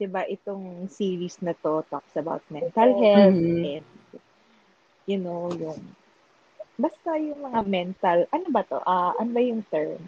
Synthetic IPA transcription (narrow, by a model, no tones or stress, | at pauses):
d̪̥ɪbaʔɪt̪oŋsiːɹisnɐt̪o̞t̪o̰k̚sɐba̰wt̪̚mɛnt̪ɐlɦɛlɛnd̪ | jʊnowjʊŋ | bɐst̪ɐjʊŋmɐŋamɛnt̪ɐlʔɐnobɐt̪o̞̰ʔaʔɐnobɐjʊŋt̪ɛɹm